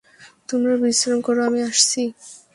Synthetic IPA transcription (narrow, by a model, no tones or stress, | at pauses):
t̪omɾabisɾonkoɾoamiaʃt͡ɕʰi